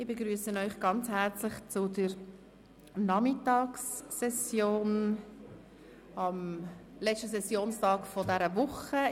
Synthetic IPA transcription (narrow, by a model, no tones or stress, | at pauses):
ɪbeɡɾyːəsənœʏχɡ̥ɑnt͡shæɾt͡slɪχt͡sʊdəɾ | nɑmɪtɑːksːɛsjoːn | ɑmlɛt͡st͡ʃtəsɛsjoːnstɑːkfɔdɛɾəvʊχə